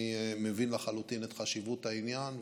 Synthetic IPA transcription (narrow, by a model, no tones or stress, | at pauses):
imevinlaχalut̪inetχaʃivut̪ainjan